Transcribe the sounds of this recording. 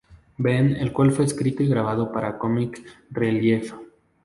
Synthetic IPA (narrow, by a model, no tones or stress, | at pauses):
benelkwalfwe̞ːskɾit̪oiɣɾaβ̞að̞opaɾakomikreljef